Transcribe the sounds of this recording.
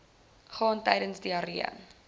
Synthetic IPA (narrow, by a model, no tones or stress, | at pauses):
χɑːntɛjdənsdiɐɾiə̰n